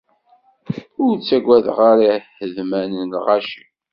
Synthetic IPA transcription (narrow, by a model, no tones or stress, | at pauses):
ʊɾt͡sːæɡʷæðʁaɾihəðmænənlʁaʃi